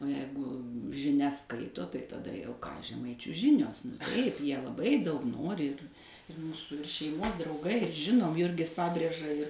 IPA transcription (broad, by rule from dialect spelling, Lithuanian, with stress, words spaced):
oː ˈjɛɪɡʊ ʒʲɪˈnʲɛs ˈskɐɪtoː tɐɪ tɐˈdɐ jɛʊ ʒʲɛˈmɐɪt͡ʃʲuː ˈʒʲɪnʲoːs tɐɪp ˈjiɛ lˠɐˈbɐɪ ˈdɐʊk ˈnoːrʲɪ ɪr ɪr ˈmuːsʊ ɪr ʃʲɛɪˈmoːs drɐʊˈɡɐɪ ɪr ˈʒʲɪnoːm ˈjʊrʲɡʲɪs ˈpɑːbʲrʲeːʒɐ ɪr